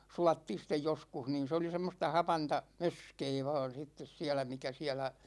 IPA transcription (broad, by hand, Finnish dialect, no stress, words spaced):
sulɑtːiːn̞ sitːej joskuh niːn̞ se oli semːostɑ hɑpɑntɑ møskeː ʋɑːn sitːes siælæ mikæ siælæ